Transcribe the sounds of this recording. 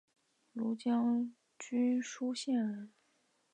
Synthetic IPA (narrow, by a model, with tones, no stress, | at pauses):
lu˧˥t͡ɕjɑ˥ŋ | t͡ɕy˥nʂu˥ɕjɛ˥˩nə˧˥˦n